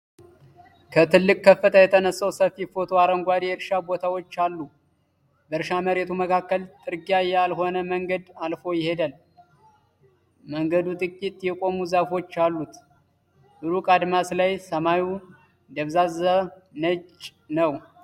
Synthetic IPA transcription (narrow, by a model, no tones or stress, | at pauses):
kʰət̪ʰɨlːɨkʼkʰːəfːət̪ʰəjɛt̪ʰənəsːəwsəfifo̞t̪ʰoaɾəŋɡʷad̪eɛɾʃabo̞t̪ʰawo̞t͡ʃːalːu | bəɾʃaməɾe̞t̪ʰuməkʰakːəlt̪ʼɨɾɡiajɛalɦo̞nəməŋɡəd̪alfo̞jɪhe̞d̪al | məŋɡəd̪ut̪ʼɨkʼit̪ʼjɛkʼo̞muzəfo̞t͡ʃːalːut̪ | ʔɨɾukʼad̪maslajsəmaju | d̪əβzazənət͡ʃʼ | nəw